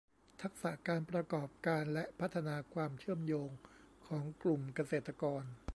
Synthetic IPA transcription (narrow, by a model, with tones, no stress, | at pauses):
t̪ʰa˦˥k̚sa˨˩ʔkaː˧npɾa˧kɔː˨˩p̚kaː˧nlɛ˦˥ʔpʰa˦˥t̪ʰːa˧naː˧kʰwaː˧mt͡ɕʰɯ˥˩əmjoː˧ŋkʰɔː˩˦ŋklu˨˩mka˧seː˨˩t̪ɾa˧kɔː˧n